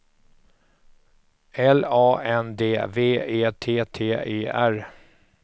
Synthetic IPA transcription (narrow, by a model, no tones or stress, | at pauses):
ɛlɑːʔɛnd̪eːveːeːt̪ʰeːt̪ʰeːeːʔæɾ